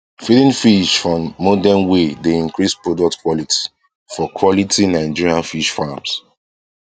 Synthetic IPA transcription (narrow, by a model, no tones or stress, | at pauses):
filĩnfiʃfɹɔ̃mɔdɛnwedeĩŋkɹispɹodɔk̚tkwɔlitʰi̥ | fɔkʰwɔlitinaɪd͡ʒiɹiãnfiʃfams